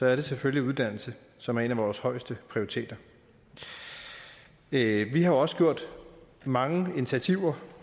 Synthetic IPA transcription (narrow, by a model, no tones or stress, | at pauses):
sɒ̽æɐɾ̥e̝sʰeføljiuðˠd̥æn̰l̩sə | sɒ̽mæɐe̝næʋɒːshɒ̽ɪsd̥əpʰʁioʁit͡sʰḛːd̥ɐ | ʋihɑ̈joɒ̽sə̥ɡ̥jo̝ɐ̰d̥ | mɑ̈ŋəe̝nit͡sʰiæt͡sʰiʊ̰ɐ